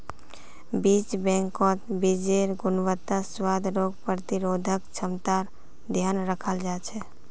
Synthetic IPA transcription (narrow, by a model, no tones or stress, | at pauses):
bit͡ʃbɛ̃ŋkɔ̃t̪bid͡ʒeɾɡunwət̪ːaswad̪ɾoɡ̚pɾət̪iɾod̪ʱəkt͡ʃʰəmt̪aɾ | d̪ʱjanɾəkʰəld͡ʒat͡ʃʰɛ